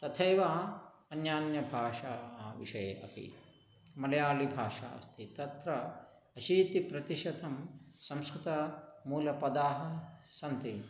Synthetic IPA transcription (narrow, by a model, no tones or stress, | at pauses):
t̪ɐt̪ʰɐjʋaː | ɐnjaːnjɐbʱaːʂaːʋḭʂɐjḛʔɐ̰pḭ | mɐlɐjaːlibʱaːʂa̰ːst̪ʰit̪ɐt̪ɾɐ | ɐʃiːt̪ipɾɐt̪iʃɐt̪ɐmsɐ̃mskɾɪt̪ɐmuːlɐpɐd̪aːɦɐ̆sɐnt̪i